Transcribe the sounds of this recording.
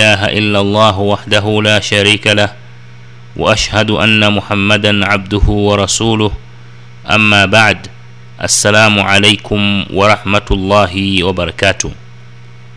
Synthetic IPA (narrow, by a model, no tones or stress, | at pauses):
ʔaːɦaʔɪlːalˤːɑːɦwaħd̪aɦʊlaːʃaɾiːkalah | wʔa̰ʔaʃhad̪ʔanːamʊħamːad̪anʕab̚d̪ʊhʊwɑɾˤɑsuːlʊh | ʔa̰mːaːbaʕd̪ | ʔa̰sːalaːmʕalajkʊmwʔɑɾˤɑħmat̪lˤːɑːɦɪwɑbɑɾˤɑkaːt̪ʊh